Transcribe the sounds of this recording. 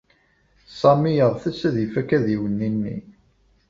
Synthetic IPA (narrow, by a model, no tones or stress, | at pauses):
sˤɑmijəʁθæsːæðifækæðiwənːinːḭ